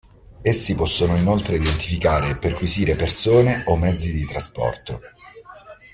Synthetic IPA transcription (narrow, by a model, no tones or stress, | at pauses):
esːipɔsːonoinolt̪ɾeid̪ent̪i̥fikaːɾeperkwiziːɾepersoːneʔomːɛd̪zːid̪it̪ɾaspɔ̰rt̪o